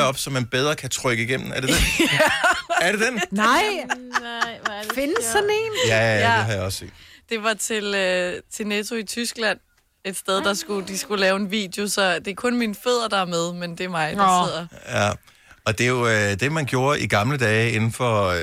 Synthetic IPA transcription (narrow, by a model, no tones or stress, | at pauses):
ɒ̽b̥sɒ̽mænb̥eð̞ˠʁɐkʰæt͡sʰʁœɡ̥əiɡ̥em̰n̩æɐded̥e | æɐɾe̝d̥ennɑɪ | fensːɒne̝ːnjæde̝ɦɑjɑ̈ɒ̽sːe̝̰ːd̥d̥e̝ʋɑ̈t͡sʰe̝lt͡sʰe̝net͡sʰo̝it͡sʰysɡ̥læn̰ | e̝d̥sd̥eð̞ˠd̥ɑ̈sɡ̥ud̥isɡ̥ulɛːʊe̝nʋḭːd̥jo̝sɒ̽d̥e̝æɐkʰɔ̽nminføð̰ˠɐd̥ɑ̈æɐmeð̞ˠmend̥e̝ɐmɑ̈ɪdð̰ˠɐjæ | ɒ̽d̥e̝jo̝ød̥e̝mænɡ̥jo̝ːɐʔiɡ̥ɑ̈mləd̥ɛːɪe̝nn̩fɒ̽